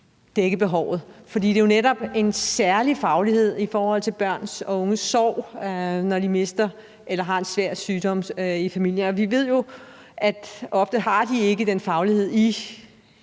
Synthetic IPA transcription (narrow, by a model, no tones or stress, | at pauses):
d̥eɡ̥əb̥e̝ɦɒʊ̰ð̞̩ˠfɒ̽d̥ḭːd̥ejo̝neɾɒ̽b̥e̝nsæɐlifɑ̈ʊlihe̝ð̞̰ˠifɒːhɒ̽l̰t͡sʰe̝lb̥ɶɐ̰nsɔɔ̽ŋəsɒʊ̰nɒd̥ime̝sd̥ɐ | ʔelɐɦɑ̈e̝nsʋæɐ̰d̥syːd̥ɒ̽m̰ifæmil̰jənɒ̽ʋiʋe̝ð̞̰ˠjo̝ | æd̥ɒ̽fd̥əhɑ̈d̥ie̝ɡ̥əd̥enfɑ̈ʊlihe̝ð̞̰ˠi